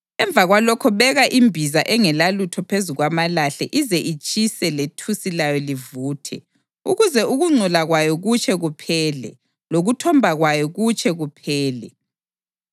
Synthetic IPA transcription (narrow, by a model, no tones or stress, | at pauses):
ɛɱb̪vʱaɣwalɔkʰɔβɛɣaʔimbʱizaʔɛŋɛlalutʰɔpʰezuɣwamalaɬɛʔizɛʔit͡ʃʼisɛletʰusilajɔlivuːtʰɛ̰ | uɣuzɛʔuɣuŋ͡ǀʱulaɣwajɔɣut͡ʃʰʼɛɣupʰɛːlɛ̰ | loɣutʰɔmbʱaɣwajɔɣut͡ʃʼɛɣupʰɛːlɛ